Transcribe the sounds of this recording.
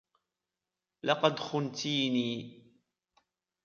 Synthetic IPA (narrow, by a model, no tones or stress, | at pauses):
lɑqɑd̪xʊnt̪iːniː